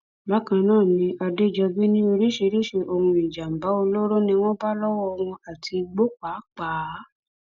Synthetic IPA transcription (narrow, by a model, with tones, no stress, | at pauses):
ba˨˦kã˧nãː˦˨nĩ˧˦ʔa˧de˦˨d͡ʒɛ˧bi˦nĩ˦o˧ɾi˦ʃe˧ɾi˦ʃe˧ʔo˧hũ˧i˨d͡ʒa˨m̩˨ba˨˦o˧lo˦ɾo˦nĩ˧w̃ɔ̃˦ba˦lɔ˦wɔ˦ɔ˧ɾ̃ũ˧a˨tʰi˧ɡ͡bo˦k͡pa˨˦k͡pa˨˦